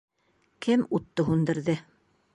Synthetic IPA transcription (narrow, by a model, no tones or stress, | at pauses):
kʰɘmut̪ːɤɦund̪ɘ̆ɾðɘ